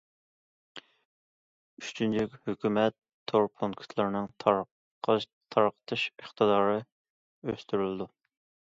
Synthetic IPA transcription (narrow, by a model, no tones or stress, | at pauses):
yʃt͡ʃʰynt͡ʃʰykʲhøkʲymɛt̪ʰːoɾpʰuŋkʰt̪ʰlˠɨɾnɨŋt̪ʰ | qʰt̪ʰːɑɾqʰə̥t̪ʰɨʃəχt̪ʰɨd̪ɑːɾɨ | øst̪yɾylɪd̪u